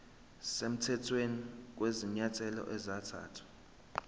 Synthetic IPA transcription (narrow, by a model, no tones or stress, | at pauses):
sem̩tʰɛtʰwenik̬weziɲatʰʼɛlɔ̰ʔɛzatʰa̰ːtʰḁ